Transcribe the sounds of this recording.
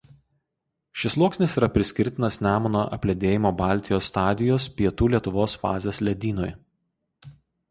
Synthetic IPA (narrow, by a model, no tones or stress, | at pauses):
ʃʲɪslˠuɔksʲnʲɪsiːɾɐpʲɾʲɪsʲkʲɪɾʲt̪ʲɪnɐsnʲæːmʊno̰ːʔɐ̰pʲlʲɛd̪ʲeːjɪmoːbɑˑlʲt̪ʲɪjoːsːt̪ɑːd̪ʲɪjoːspʲiɛt̪uːlʲiɛt̪ʊʋoːsfɑ̰ːzʲeslʲɛd̪ʲiːnoj